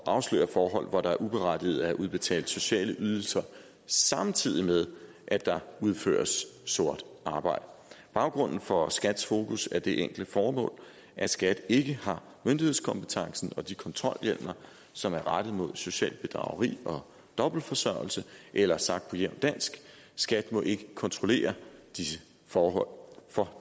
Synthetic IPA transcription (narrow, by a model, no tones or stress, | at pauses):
ʔɑ̈ʊslø̰ːɐfɒːɦɒ̽l̰ʋɒɾ̥ɑ̈æɐʔub̥e̝ʁad̥ið̩ˠæʔuð̞ˠb̥e̝t͡sʰɛ̰ːld̥so̝ɕɛ̰ːləʔyːð̞ˠl̩sɐ | sɑ̈mt͡sʰið̞̰ˠimeð̞ˠ | ʔæ̥d̥ɑ̈uð̞ˠfø̰ːɐsːo̝ɐ̰d̥ʔɑ̈ːb̥ɑ̈ɪ̰d̥əb̥ɑ̈ʊɡ̥ʁɔ̽n̰n̩fɒ̽sɡ̥æd̥sfo̝ːkʰusæɐd̥e̝ʔeŋ̰ɡ̥l̩d̥əfɒːmɔ̰̽ːl | ʔæsɡ̥æd̥e̝ɡ̥əhɑ̈ | mønd̥ihe̝ðˠskʰɒ̽mpət͡sʰɑ̈ŋsn̩ɒ̽d̥ikʰɒ̽nt͡sʰʁɒ̽ljel̰mnɐ | sɒ̽mæɐʁɑd̥ð̩ˠmo̝ð̞̰ˠso̝ɕɛ̰ːlb̥e̝d̥ʁɑ̰̈ʊəʁḭːɒ̽ | d̥ɒ̽b̥l̩fɒ̽sɶɐ̰l̩səʔelɐsɑ̈ɡ̥̚d̥pʰɒ̽jeʊ̰nd̥æn̰sɡ̥ | sɡ̥æd̥mɒ̽ʔe̝ɡ̥əkʰɒ̽nt͡sʰʁo̝le̝̰ːɐd̥isə | fɒːɦɒ̽l̰fɒ̽